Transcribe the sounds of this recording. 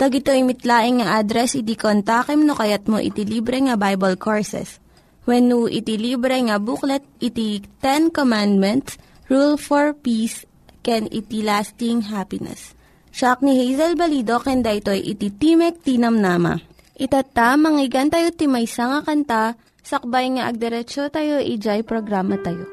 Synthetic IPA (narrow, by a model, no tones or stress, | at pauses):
t̪ɐɡɪt̪oimɪt̪laːʔɪŋŋɐʔad̪ɾɛsʔɪt̪ikont̪aːkɛmnokɐjat̪̚mo̰ʔɪ̰t̪iliːbɾɛŋɐbajbɐlkʰoɹsɛ̰s | wɛnːuʔɪ̰t̪ilibɾɛŋɐbuklɛt̪̚ɪt̪it̪ɛnkomand̪̚mɛnt̪s | ɹulfoɹpis | kɛnɪ̰t̪ilast̪ɪŋɦapɪnɛ̰s | ʃak̚nihejzɛlbɐliːd̪o̞kɛnd̪aʔɪt̪o̞jʔɪ̰t̪it̪imɛk̚t̪inɐmnaːmɐ̰ | ʔɪt̪at̪amɐŋɪɡɐnt̪ɐjot̪imɐjsaŋakɐnt̪a | sɐk̚bajŋɐʔɐɡ̚d̪ɛɾɛt͡ʃot̪ɐjo̞ʔid͡ʒajpɾoɡɾaːmɐt̪ɐjo̰